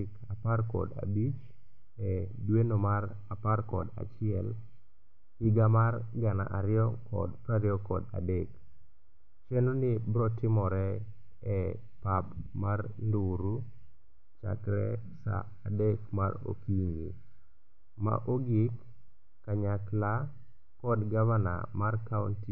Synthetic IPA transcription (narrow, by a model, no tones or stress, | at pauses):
kaparkɔ̰da̰bit͡ʃ | ɛdwenomar | aparkɔ̰da̰t͡ʃɪɛl | ɪɡamarɡana̰ʔaɾɪjɔkɔ̰dpaɾjɔkɔ̰dadɛk | t͡ʃenonɪbɾɔtɪmɔɾɛ | ɛ | papmarnduɾu | t͡ʃa̰kɾɛ̰ | sa̰ːdekma̰ɾo̰kiŋɡḭ | ma̰ʔoɡikː | aɲakla | kɔdɡavana̰markaunti